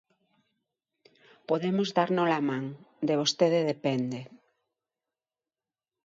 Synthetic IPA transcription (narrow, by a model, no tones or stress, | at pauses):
poðemozðaɾnolamãŋd̪eβ̞ost̪eðeðepɛnd̪e